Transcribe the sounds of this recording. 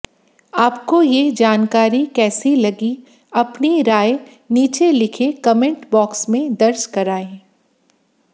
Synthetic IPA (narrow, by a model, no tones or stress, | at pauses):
aːpkojed͡ʒaːnkaːɾikɛːsilɐɡi | ɐpniɾaːe | niːt͡ʃelɪkʰekɐmɪ̃ɳʈbɔːksmẽd̪ɐɾd͡ʒkɐɾaːẽː